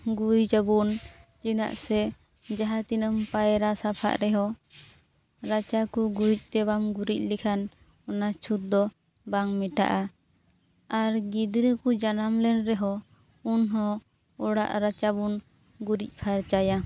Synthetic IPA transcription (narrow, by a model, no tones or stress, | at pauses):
ɡujd͡ʒəbunt͡ʃina̰ʔsɛ | d͡ʒaɦat̪inəmpajɾasapʰa̰ʔɾɛɦɔ | ɾat͡ʃakuɡuɾic̚ˀt̪ɛbamɡuɾic̚ˀlikʰan | ɔnat͡ʃʰut̪̚d̪ɔ | baŋmiʈa̰ʔa | aɾɡid̪ɾəkud͡ʒanamlɛnɾɛɦɔ | unɦɔ̃ | ɔɽa̰ʔɾat͡ʃabun | ɡuɾic̚ˀpʰaɾt͡ʃaja